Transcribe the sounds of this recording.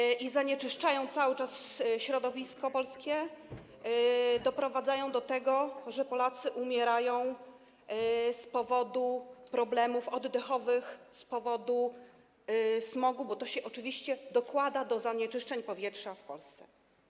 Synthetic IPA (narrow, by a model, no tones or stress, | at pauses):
izaɲɛt͡ʂɘʂt͡ʂajɔ̃w̃t̪sawɘt͡ʂasɕɾɔd̪ɔvʲiskɔpɔlskʲɛ | d̪ɔpɾɔvad̪zajɔ̃w̃d̪ɔt̪ɛɡɔʐɛpɔlat̪sɘʔumʲjɛɾajɔ̃w̃ | spɔvɔd̪upɾɔblɛmufɔd̪ːɛxɔvɘxspɔvɔd̪u | smɔɡubɔt̪ɔɕɛʔɔt͡ʂɘvʲiɕt͡ɕɛd̪ɔkwad̪ad̪ɔzaɲɛt͡ʂɘʂt͡ʂɛɲpɔvʲjɛtʂafpɔlst̪sɛ̥